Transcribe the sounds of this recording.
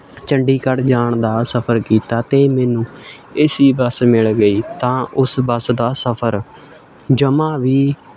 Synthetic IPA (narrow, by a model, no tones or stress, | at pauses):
t͡ʃəɳɖiːkəɽd͡ʒaːɳd̪aːsəpʰəɾkiːt̪aːt̪eːmɛːnũː | ɪsiːbəsmɪɭɡəiːt̪ãːʊsbəsd̪aːsəpʰəɾ | d͡ʒəmãːʋiː